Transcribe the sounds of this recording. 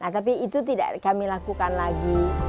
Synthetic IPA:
naht̪ap̬iːt̪ut̪ida̰ʔkamilakukanlaɡi

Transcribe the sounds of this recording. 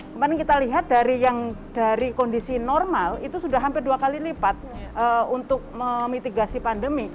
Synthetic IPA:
kəmadankit̪aliɦat̪̚daɾijaŋd̥aɾikɔndisinɔrmalit̪usudaɦampɪrduakalilipat̪̚ʔəunt̪ʊk̚məmit̪iɡasipandəmi

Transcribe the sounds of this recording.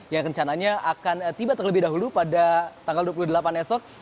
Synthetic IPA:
jaŋrəɲt͡ʃanaɲaʔakant̪ibat̪ərləbɪhdaɦulupadat̪aŋɡalduap̬uluhdəlapanɛsɔk̚

